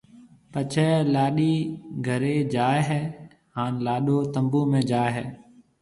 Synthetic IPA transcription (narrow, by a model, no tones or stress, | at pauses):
pət͡ʃʰɛːlaːɗiːɡʱəɾeːd͡ʒaːɦɛː | haːnlaːɗoːt̪əmbuːmẽːd͡ʒaːɦɛː